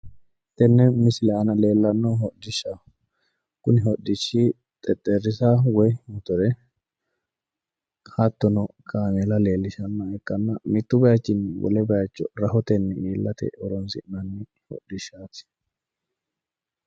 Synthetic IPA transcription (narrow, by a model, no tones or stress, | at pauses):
t̪ɛnːɛmɪsɪlɛɐnɐle̞ːlːɐnːɔɦɔdɪʃːa | kʊnɪɦɔdɪʃːi | t̪ʼɛt̪ʼːɛɾːɪsawɔjmʊt̪ʊɾɛ | hɐt̪ːɔnɔkʰaːmelɐle̞ːlːɪʃɐnːɐɛkːɐnːɐmɪt̪ːʊbɐjat͡ʃːɪnwɔ̰lɛbɐjɐt͡ʃːɔɾɐhɔt̪ɛnːɪiːlːɐt̪ɛ̰ɔɾɔnsɪ̰nɐnːɪ | hɔ̰dɪʃːaːt̪ɪ̥